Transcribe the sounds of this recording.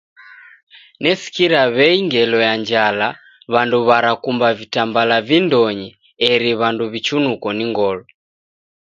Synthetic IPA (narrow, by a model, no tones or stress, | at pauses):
nɛsi̥kiɾaβɛiŋɡɛlɔjaɲd͡ʒala | βanduβaɾakumbavitambalavindɔɲɛ | ɛɾiβanduβit͡ʃunukɔniŋɡɔlɔ